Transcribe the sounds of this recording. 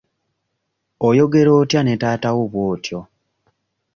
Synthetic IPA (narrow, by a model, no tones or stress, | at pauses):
ojo̞ɡe̞ɾo̞ːtjane̞taːtawoβwo̞ːtjo